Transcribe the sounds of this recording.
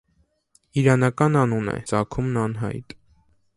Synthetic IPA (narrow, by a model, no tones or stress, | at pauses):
iɾɑnɑkɑnɑnunɛ̰t͡sɑkʰumnɑnɦɑ̰jt̪